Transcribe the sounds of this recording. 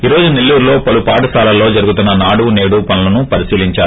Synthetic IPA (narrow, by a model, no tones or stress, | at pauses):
iːɾo̞ːd͡ʒunelːuːɾlo̞ːpɐlupaːʈɐsaːlɐlo̞ːd͡ʒɐɾuɡut̪unːɐnaːɽuʋune̞ːɽupɐnulɐnupɐɾisiːliɲt͡ʃaːɾ